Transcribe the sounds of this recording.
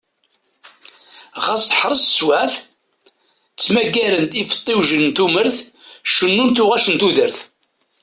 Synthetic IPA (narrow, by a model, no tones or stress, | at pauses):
ʁɑsˤħɾˤəsswæθ | t͡sːmæɡːæɾənt̪ifə̥t̪ˤːɪwʒənnt̪uməɾθʃənːunt̪ʊʁæʃənt̪uðəɾθ